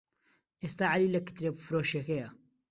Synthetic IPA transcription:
ʔest̪aːʕaliːlɛkɨ̥t̪ɾebfɾoːʃexeja

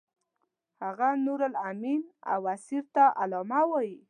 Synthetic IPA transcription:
haɣanuɾalamina̰wasiɾt̪aʔalɑmawɔji

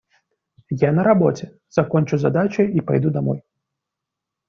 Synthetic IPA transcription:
janɐɾabɔt͡sʲɛ | z̥akɔnʲt͡ʃuza̰d̪at͡ʃɐjipa̰jd̪ud̪amɔ̰j

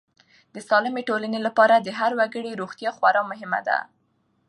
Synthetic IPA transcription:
d̪əsɑlɪmeʈolanelapɑɾad̪əɦaɾwaɡəɽeɾoɣt̪jɑxwaɾɑmʊɦɪma̰d̪a̰

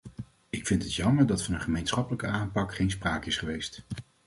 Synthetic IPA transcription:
ɪkfɪntɦətjɑməɹdɑtfɑnənχəmejnsχɑpələkəaːmpɑkχejnspraːkɪsχəʋejst

